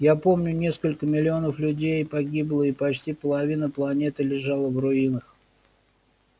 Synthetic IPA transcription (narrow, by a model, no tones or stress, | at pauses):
japo̞mnʲʊnʲe̞skəlʲkəmʲɪlʲɪo̞nəflʲʉdʲejpɐɡʲiblˠəipɐt͡ɕtʲipəlˠɐvʲinəplˠɐnʲe̞t̪ɨlʲɪʐalˠəvrʊinəx